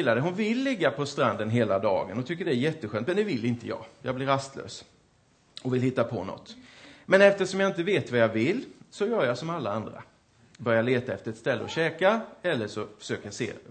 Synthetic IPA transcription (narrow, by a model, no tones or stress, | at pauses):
lːad̪əɦʊnvɪlːɪɡːapʰɔst̪ɾand̪ənɦeːlad̪ɑ̰ːɡə̰nɔt̪ʰʏkːəɖɛæɾjɛt̪ːəɧøːnt̪mɛnd̪ɛvɪlːɪnt̪əjɑ̰ːjɑːɡblɪɾast̪ʰlø̰ːs | ɔvɪlɦɪt̪ːapʰɔ̰nɔ̰t̪ːmɛnɛft̪əʂɔmjaɪnt̪əveːt̪vajɑvɪlːsɔjœːɾjasɔmalːaand̪ɾa̰ | bœɾjaɭeːt̪aɛft̪əɾɛt̪st̪ɛlːəɔɕɛːkaɛlːəʂɔfœ̥ʂøːkəɾjasḛː